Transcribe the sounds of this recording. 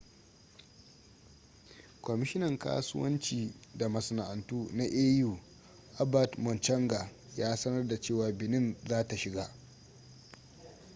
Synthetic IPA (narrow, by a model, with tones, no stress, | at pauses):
kʷɔ˨mɪ˦ʃɪ˦nɐ˨ŋka̰ː˦sʊ̰˦wɐ̰˦nt͡ʃiː˨da˨mɐ˨sɐ˨na˨ʔa˨ntuː˦na˦ʔeː˦juː˨ | ʔa˦ba˨tmɔ˨nt͡ʃɐ˦ŋɡa˨ | jaː˦sɐ˦nɐ˦rda˨t͡ʃeː˦˨waː˨bɪ˨nɪ˦nzaː˦ta˨ʃɪ˨ɡa˦